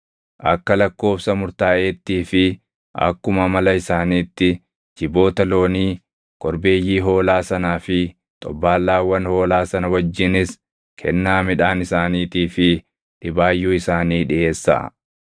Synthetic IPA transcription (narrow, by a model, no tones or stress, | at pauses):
ʔɐ̰kːɐlɐkːo̞ːfsɐmʊɾt̪aːʔeːt̪ːiːfɪ | ɐ̰kːʊmɐmɐlɐɪsaːniːt̪ːɪ | d͡ʒɪbo̞ːt̪ɐlo̞ːniː | kʼɔɾbe̞ːjːiːɦo̞ːlaːsɐnaːfɪ | t̪ʼɔbːaːlːaːwːɐnho̞ːlaːsɐnɐwɐd͡ʒːɪnɪs | kʰɛnːaːmɪᶑaːnɪsaːniːt̪iːfɪ | ᶑɪbaːjːuːɪsaːniːᶑɪʔe̞ːsːɐ̰